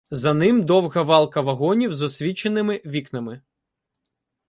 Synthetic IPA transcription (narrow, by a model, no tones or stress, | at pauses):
zɐnɪmd̪ɔwɣɐʋɑlˠkɐʋɐɦɔnʲiwzɔsʲʋʲit͡ʃenɪmɪʋʲiknɐmɪ